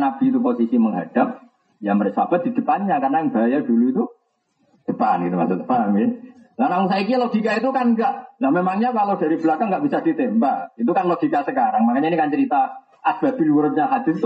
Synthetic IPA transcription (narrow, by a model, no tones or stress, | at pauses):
nab̥iːt̪uposisiməŋɦad̥ap̚ | jamərsab̥at̪̚d̥̪i̤d̥əpanɲakarnajaŋb̥ajad̥uluit̪u | d̥əpanɡit̪uma̰sud̪ə̥pamɡɪnlanaŋus̬aik̬ilod̥ikait̪̬ukanɡaʔlahmemaŋɲakalodaɾib̥əlakaŋɡaʔb̥isad̥it̪ɛmbait̪̬ukanlod̥ikasəkaɾaŋmakaɲainikant͡ʃəɾit̪a | ʔasb̥ab̥ilwuɾət̪̚ɲaɦad̪̥ɪrt̪u